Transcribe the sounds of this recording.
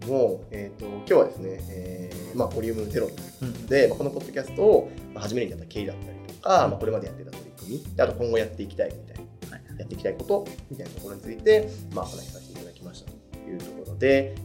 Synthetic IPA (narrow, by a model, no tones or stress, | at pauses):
moet̪o̞kʲo̞ːβa̰d̪e̞sɨne̞eːmaɡo̞ɾʲiɯ̟mɯ̟noze̞ɾo̞t̪ːojiɯtokod̪e̞mako̞no̞po̞t̪ːokʲasɨ̥t̪o̞ːmahaʑimeɾɯ̟ɲiat̪ːakʲe̞ːid̪at̪ːaɾʲi̥t̪o̞kamako̞ɾe̞mad̪e̞jat̪ːe̞t̪at̪o̞ɾikɯ̟mʲid̪̥eat̪okõ̞ŋɡo̞jat̪ːe̞ikʲi̥t̪aḭmʲit̪aijat̪ːeikʲit̪aiko̞t̪o̞mʲit̪ainat̪o̞ko̞ɾo̞ɲ̟it͡sɨit̪e̞ma̰kona̰çi̥sakʲiiaɡakʲimaɕi̥t̪ḁt̪o̥jɯ̟ːt̪o̞ko̞ɾo̞d̪e̞